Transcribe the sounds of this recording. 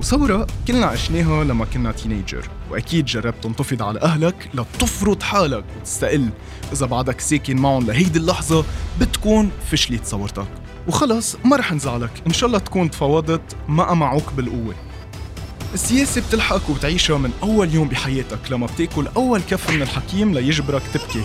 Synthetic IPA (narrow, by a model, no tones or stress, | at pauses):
wsˤɑwːɾˤɑʔkɪlnaʔaʃneːɦalamːakɪnːat̪iːneːd͡ʒə̰ɾwʔa̰kiːd̪ʒɑrˤːɑb̚t̪ɨnt̪ˤɑfɨd̪ˤʕala̰ʔaɦlaklat̪ɨfɾʊd̪ˤħaːlakt̪ɪ̥st̪aʔɪlː | ʔɪzabɑʕd̪akseːkɪnmaʕʊnlaɦajd̪ilːɑħzˤɑbɪt̪kuːnfɪʃlit̪sˤɑwːɑɾt̪ɑk | wxɑlɑsˤmaɾˤɑːħʔɪnzaʕlakʔɪnʃɑːʔlːˤɑt̪ḁkuːnt̪fɑwɑːd̪ˤɨt̪ˤmaʔamaʕuːkbɪlʔʊwːe | ʔɪsːɪjeːsib̚t̪ɪlħakwbɪt̪ʕiːʃamɪnʔawːaljoːmbiħajeːt̪aklamːab̚t̪eːʔkʊlʔawːalkafmɪnɪlħakiːmlajɪʒbɾakt̪ɪb̚ki